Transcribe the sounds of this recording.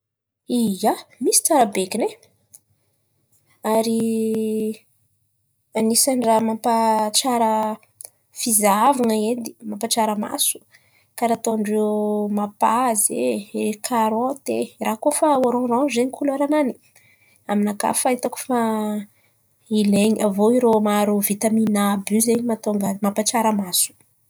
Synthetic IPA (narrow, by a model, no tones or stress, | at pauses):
ijamisi̥t͡saɾəbekine | aɾi | anisaɳɖ͡ʐamampaʈ͡ʂaɾə | fizaavaŋaed̪i̥mampaʈ͡ʂaɾəma̰su̥ | kaɾat̪oaɳɖ͡ʐewmapazeekʰaɾat̪erakofaaɾõranzeɲikʰulaɾanani̥ | aminaka̰fait̪aku̥fa | ileɲavoiɾomaɾuvit̪aminabyzeɲimat̪oŋɡamampaʈ͡ʂaɾəmasu̥